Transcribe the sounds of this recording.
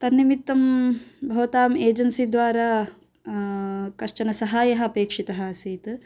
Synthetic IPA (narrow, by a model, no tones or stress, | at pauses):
t̪ɐnːimit̪ːɐmbʱɐʋɐt̪aːmeːd͡ʒɐnsid̪ʋaːɾaː | kɐt͡ʃɐnɐsɐɦaːjɐɦɐɐpeːkʂit̪ɐɦɐɐsiːt̪